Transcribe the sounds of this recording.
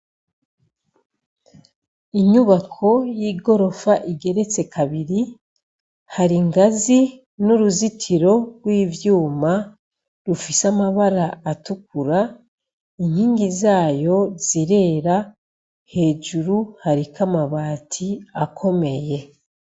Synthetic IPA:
iɲuβakʰo̞jiːɡo̞ɾo̞faʔiɡe̞ɾe̞t͡se̞kʰaβiɾi | haɾiŋɡazi | nuɾuzitʰiɾo̞ɾwiːvjuːma | ɾufisamaβaɾaːtukuɾa | iɲ̥hiːŋɡizaːjo̞z̥iɾe̞ːɾa | he̞ːd͡ʒuɾuhaɾikamaβaːtʰiakʰo̞me̞je̞

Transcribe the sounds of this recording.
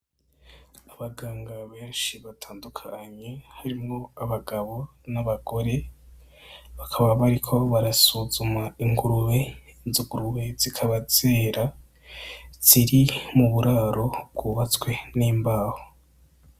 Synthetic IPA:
aβaɡaːŋɡaβe̞ːnʃiβatʰaːndukʰaɲe̞haɾimŋo̞aβaɡaβo̞ | naβaɡo̞ɾe̞ | βakʰaβaβaɾikʰo̞βaɾasuzumaiŋɡuɾuβezuɡuɾuβe̞z̥ikʰaβaz̥e̞ːɾa | z̥iɾimuβuɾaːɾo̞b̚ɡuːβat͡swe̞niːmbaːho

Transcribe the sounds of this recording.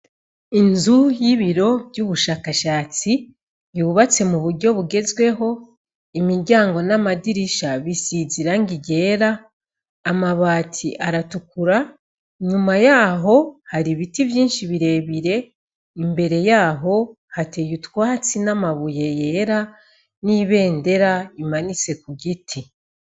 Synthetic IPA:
inzujiβiɾo̞vɟuːβuʃaːkaʃaːt͡si | juːβat͡se̞muβuɾɟo̞βuɡe̞zwe̞ɦo̞ | imiɾɟaːŋɡo̞namadiɾiʃaβisiziɾaŋɡiɟe̞ːɾaː | maβaːtʰiʔaɾatukuɾa | ɲumajaːɦo̞haɾiβitivjiːnʃiβiɾe̞ːβiɾe̞ | imbe̞ɾe̞jaːɦo̞ | hate̞jutwaːt͡sinamaβuje̞je̞ːɾa | niːβe̞ːnde̞ɾaimanit͡se̞kuɡitʰi

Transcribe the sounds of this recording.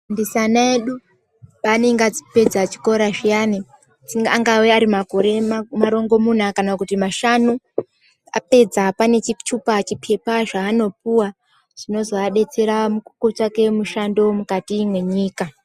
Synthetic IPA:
ndisanaeɗu | paːne̞ŋɡead͡zi̥pe̞d͡zat͡ʃi̥ko̞ɾaʐijani | t͡siŋɡaŋɡaweaɾimako̞ɾe̞maɾo̞ŋɡo̞mun̤akanakutimaʃanu | a̰pe̞d͡zapane̞t͡ʃit͡ʃupat͡ʃipʰe̞paʐaːno̞p̚uwa | ʐ̥ino̞zoaɗe̞t͡se̞ɾamukukot͡ʃake̞muʃando̞mukatiːmwe̞ɲiːka

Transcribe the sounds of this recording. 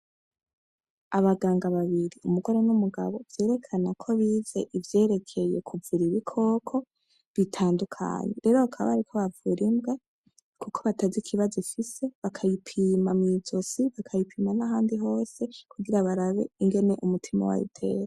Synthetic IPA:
aβaɡaːŋɡaβaβiɾiumuɡo̞ɾenumuɡa̰βo̞v̥je̞ːɾe̞kʰanakʰo̞βiːze̞ʔivje̞ːɾe̞kʰe̞je̞̰kʰuvuɾiβikʰo̞ːkʰo̞ | βitʰaːndukʰa̰ːɲe̞̰ɾe̞ɾo̞akʰaβa̰ɾikʰoβavuɾimbɡe | kukʰoβatazikʰiβazoifise̞βakʰajipʰiːmamŋizosiβakʰajipʰiːmanaɦaːndiɦo̞ːse̞kʰuɡiɾaβaɾaβe̞iŋɡe̞ne̞ʔumutʰima̰wa̰jḭtʰe̞̰ːɾa

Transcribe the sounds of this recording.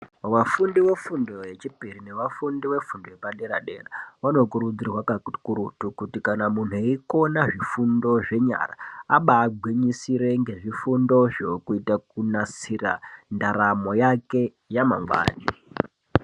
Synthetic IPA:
ʋafundiwe̞fundo̞je̞t͡ʃipirine̞ʋafundiwe̞fundojepaɗe̞ɾa̰ɗe̞̰raʋano̞kuɾud͡zirwakakuɾutukutikanamun̤ueiko̞naʐifundo̞ʐe̞ɲa̰ra̰aɓaːɡʱwiɲisiɾe̞ŋɡe̞ʐifundo̞ʐokuitakunasira̰ndaɾamo̞jake̞ | jama̰ŋɡwa̰ːɲi

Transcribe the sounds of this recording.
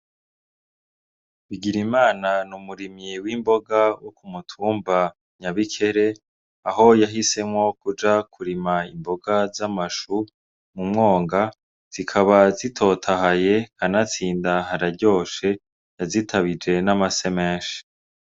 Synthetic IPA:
βiɡiɾimaːnanumuɾimɲiwimbo̞ɡawokumutʰuːmba | ɲaβikʰe̞ɾe̞ | aɦo̞jaɦise̞mŋo̞kud͡ʒakuɾimaimbo̞ɡazamaʃu | mumŋo̞ːŋɡa | z̥ikʰaβazitʰo̞tʰahaje̞kanat͡siːndaɦaɾaɾɟo̞ːʃe̞ | jazitʰaβid͡ʒe̞namase̞me̞ːnʃe̥

